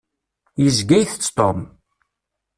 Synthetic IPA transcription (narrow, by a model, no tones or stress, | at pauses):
jəzɡæjθt͡sːt̪om